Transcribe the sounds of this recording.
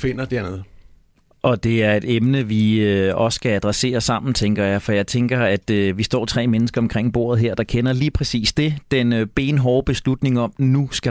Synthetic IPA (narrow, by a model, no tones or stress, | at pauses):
fe̝n̰ɐd̥eɐ̰neð̩ˠ | ʔɒ̽d̥e̝æɐe̝d̥emnəʋiɒ̽ssɡ̥ææd̥ʁäse̝̰ːɐsɑ̈m̰n̩t͡sʰeŋɡ̥ɐjɑ̈ɪfɒ̽jɑ̈ɪt͡sʰeŋɡ̥ɐæd̥ʋisd̥ɒ̰ːt͡sʰʁɛ̰ːmenəsɡ̥ɐɒ̽mkʰʁeŋ̰b̥o̝̰ːɐ̰ð̩ˠɦeɐ̰d̥ɑ̈kʰenɐliːpʰʁɛsḭːsd̥e̝d̥enb̥e̝ːnɦɒʊb̥e̝slud̥ne̝ŋɒ̽mnusɡ̥æ